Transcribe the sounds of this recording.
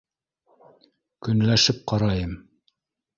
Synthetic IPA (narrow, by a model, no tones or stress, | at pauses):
kɵ̆nlæʃɘp̚qɑɾɑjɤm